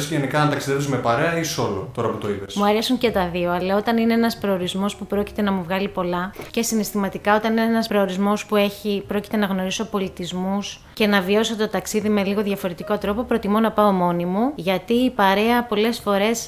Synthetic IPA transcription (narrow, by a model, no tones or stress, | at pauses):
sceʝenikɐnt̪ɐksiðefsizmepɐɾe̞ɐisosolo̰t̪o̞ɾɐput̪o̞ipesmuɐɾçɐsuŋce̞t̪ɐðio̞ɐlɐo̞t̪ɐnine̞enɐspɾo̞oɾizmo̞spupɾo̞ci̥t̪e̞nɐmuvɣɐlipo̞lɐce̞sinest̪imɐt̪ikɐo̞t̪ɐnineenɐspɾo̞oɾizmo̞spue̞çipɾo̞ci̥t̪e̞nɐɣno̞ɾiso̞po̞lit̪izmus | ce̞nɐvio̞so̞t̪o̞t̪ɐksiðime̞liɣo̞ðʝɐfo̞ɾe̞t̪iko̞t̪ɾo̞po̞pɾot̪imonɐpɐomo̞nimuʝɐt̪iːpɐɾe̞ɐpo̞le̞sfo̞ɾe̞s